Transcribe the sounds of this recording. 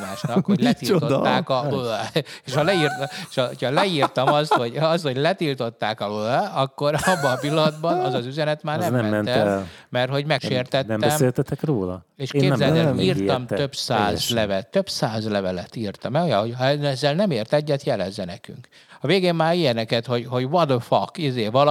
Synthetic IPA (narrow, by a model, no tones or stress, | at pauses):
maːʃnɒkhoɟlɛt̪ilt̪ot̪ːaːkɒøeːʃhɒlɛirt̪eʃɒochɒlɛirt̪ɒmɒst̪ho̞ɟɒst̪ho̞ɟlɛt̪ilt̪o̞t̪ːaːkɒøɒkːo̞ɾɒbːɒnɒpilːɒnɒd̪bɒnɒzɒzyzɛnɛt̪maːrnɛnmmɛnɛnɛl | mɛrt̪ho̞ɟmɛkʃeːrt̪ɛt̪ɛmːɛsmet̪ɛt̪ɛkroːlɒ̰ | eːʃkːeːbzɛlt̪ɛiːrt̪ɒmøbsaːzlɛvɛt̪ːøbsaːzlɛvɛlɛt̪iːrt̪ɒmɛojɒo̞ɟhɒɛɛzːɛlnɛmeːrt̪ɛɟːɛt̪jɛlɛzːɛnɛky̰ŋk | ɒveːɡeːmmaːɾijɛnɛkɛt̪ho̞ɟho̞ɟʋɒd̪fɒkːizeːvɒl